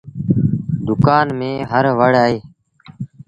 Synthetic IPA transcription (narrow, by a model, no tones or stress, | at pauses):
d̪ʊkaːnmẽːɦəɾʋəɽaːɦeː